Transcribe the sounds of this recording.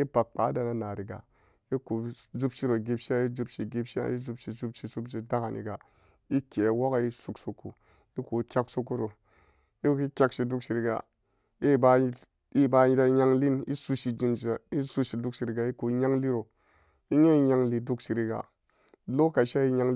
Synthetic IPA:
i˦pa˨k̚k͡pa˨˦da˨na˨na˨ɾi˨ɡa̰˨ | i˦ku˨zu˦bʃi˦ɾo˨ɡi˦bʃi˦a˦i˦d͡ʒu˦bʃi˨ɡi˦pʃi˦a̰˦i˦zu˧bʃi˨zu˦bʃi˨su˦pt͡ʃi˨da˦ka˨nʔḭ˨ɡa˨ | i˦kʲe˨wo˦ka˦i˦su˨˦ksu˧kːu˨ | i˦ku˨kʲa˦ksu˦kːu˦ɾo˨ | i˦ki˦kʲa˦kʃi˨du˦kʃi˨ɾi˧ɡa̰˨ | i˦˨ba˨˦˨ | i˦ba˨ɲi˧˦da˦ɲa˦ŋli˦ni˦su˦ʃi˧d͡ʒi˦m˨˦a˨i˦su˦ʃi˨du˦kʃi˨ɾi˨ɡa˨i˦ku˨ɲa˦ŋli˦ɾo˨ | i˦ɲe˦i˦ɲa˧ŋli˨du˦kʃi˨ɾi˨ɡa̰˨ | lo˦ka˨ʃa˦i˦ɲa˦ŋ

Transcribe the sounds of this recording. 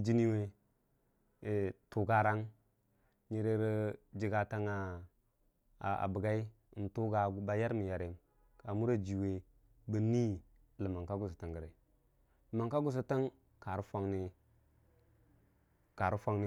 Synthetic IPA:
d͡ʒi˦ni˦we˦˨ | tu˨ɡa˦ɾa˦ŋ | ɲi˨ɾe˦ɾi˦d͡ʒi˦ɡa˦ta˦ŋa˨ | a̰˨bə˨ɡa˦i˦˨ | n̩˨tu˦ɡa˨˦ba˨ja˦ɾmi˨ja˨ɾe˨m | ka˨mu˦ɾa˦d͡ʒi˨we˨ | bə˦ni˦ | lə˨ma˨ŋka˦ɡu˦˨s̬u˨ti˨ŋɡə˨ɾa˨ | lma˨ŋka˦ɡu˦s̬a˦tə˦ŋ | ka˨ɾu˦fa˦ŋni˦ | ka˨ɾu˦fa˦ŋni˦

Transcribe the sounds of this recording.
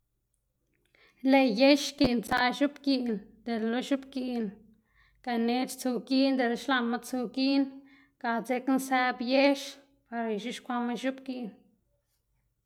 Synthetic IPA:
le˧je˦ʃki˧˨nt͡sa˧ʃu˦pki˧˨nd̪̥e˨llo˦ʃu˦bki˧ʔn | ka˧˨ne˧˦t͡ʃt͡su˧ɡi˦nd̪e˧˨lʃla˧ma˦t͡su˧ɡi˦n | ka˨t͡se˧knsæ˧bje˦ʃ | pa˧ɾʃu˦ʃkʷa˧ma˦ʃu˦bki˧˨n

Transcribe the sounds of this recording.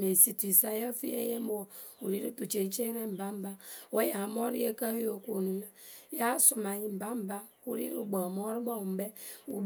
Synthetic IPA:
me˨si˨tu˨i˨sa˦ja˦fi˦ḛ˦je˦m˦o˨ | u˨ɾi˦ɾu˦tu˨t͡ʃe˨n˦t͡ʃe˦ɾe˦m̩˨ba˦m̩˦ba˦wo˦ja˨m˦o˦ɾḭ˦e˦ka˦hjo˨kʷo˨nu˨na˦ja˦su˨ma˨ɲi˨˦m̩˨ba˦m̩˨ba˦ | u˦ɾḭ˦ɾu˦ɡ͡bo˨mo˦ɾi˦ɡ͡bɔ˦˨m̩˨be˦u˨b

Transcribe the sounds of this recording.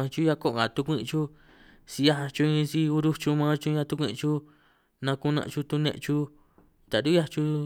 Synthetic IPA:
ã˧t͡ʃu˦ja˧ko˦ʔŋɡã˨t̪u˧kʷĩ˧ʔt͡ʃu˦ | si˧ja˦˧a˧t͡ʃu˧ĩ˧si˧u˧ɾu˦t͡ʃu˧mã˦t͡ʃu˧ɲã˧t̪u˧kʷḭ̃˧t͡ʃu˦ | nã˧ku˧nã̰˧ʔt͡ʃu˧t̪u˧nḛ̃˧ʔt͡ʃu˧ | t̪a˨du˦ja˦t͡ʃu˧

